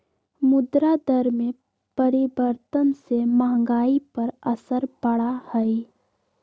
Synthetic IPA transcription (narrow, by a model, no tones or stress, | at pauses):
mʊd̪ɾad̪əɾmẽ | pəɾɪbəɾt̪ənseməɦə̃ŋɡaːipɐɾəsəɾbəɽahɛi